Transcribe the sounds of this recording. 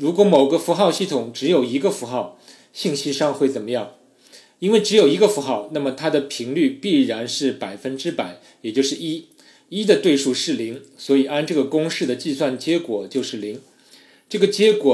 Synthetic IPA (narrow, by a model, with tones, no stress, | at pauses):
ɻu˧˥kwɔ˧˥mo˨˩ʊɡə˦fu˧˥xɑ˥˧ʊɕi˥˩t̪ʰʊ˨˩ŋʈ͡ʂɻ̩˧˥jo˨˩ʊi˧˥ɡə˧fu˧˥xɑ˥˩ʊ | ɕi˥˩ŋɕi˥ʂɑ˥˧ŋxwe˥˩ɪt͡sə˨˩nmə˦jɑ˥˩ŋ | i˥nwe˥˩ɪʈ͡ʂɻ̩˧˥jo˨˩ʊi˧˥ɡə˧fu˧˥xɑ˥˩ʊna˥˩mə˩t̪ʰa˥d̪ə˨pʰi˧˥ŋly˥˧pi˥˩ɻa˧˥nʂɻ̩˥˩pa˨˩ɪfə˥nʈ͡ʂɻ̩˥pa˨˩˦ɪ | jɛ˨˩t͡ɕjo˥˧ʊʂɻ̩˥˩i˥ | i˥d̪ə˨t̪we˥˧ɪʂu˥˧ʂɻ̩˥˩li˧˥ŋswɔ˧˥i˨˩a˥nʈ͡ʂɤ˥˩ɡə˩kʊ˥ŋʂɻ̩˥˩d̪ə˩t͡ɕi˥˧swa˥˩nt͡ɕjɛ˧˥kwɔ˨˩t͡ɕjo˥˧ʊʂɻ̩˥˩li˧˥ŋ | ʈ͡ʂɤ˥˩ɡə˩t͡ɕjɛ˧˥kwɔ˨˩